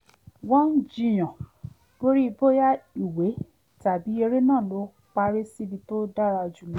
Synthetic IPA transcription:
wɔ̃˦n̩˦d͡ʒĩ˦˧j̃ã˨ | b̥o˦ɾi˦i˧bo˦ja˦i˦˨we˨˦ | ta˨bi˨˦e˧ɾe˦nãː˦˨lo˨˦ | k͡pa˧ɾe˦si˦bi˧to˦da˦ɾa˧ɔ˧d͡ʒu˨nã˨˦

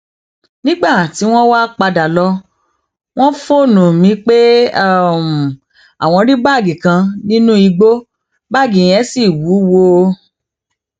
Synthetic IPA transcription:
nĩ˦ɡ͡ba˦˨ti˨˦w̃ɔ̃˦wa˦k͡pa˧da˨lɔ˧ | w̃ɔ̃˦fo˦˨nũ˨mĩ˧˦k͡pe˦˨ | m˨ | a˨w̃ɔ̃˧ɾi˦ba˦˨ɡĩ˨kã˧nĩ˦nũ˦i˧ɡ͡bo˦ | ba˦˨ɡĩ˨j̃ɛ̃˨˦si˦˨wu˨˦wo˧

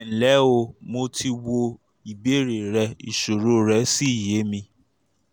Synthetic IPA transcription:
n̩˨lɛ˨˦o˧mo˧tʰi˧wo˧ | i˨be˨˦˨ɾe˨ɾɛ˧˦i˨ʃo˨ɾo˦ɾɛ˦si˦i˦˨je˨˦mĩ˧

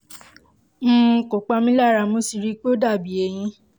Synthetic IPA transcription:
ko˨k͡pa˧mĩ˦la˦˨ɾa˧˦mo˨˦si˧˨ɾi˦k͡pe˦o˦da˦˨bi˨e˨˧˦j̃ĩ˧˦

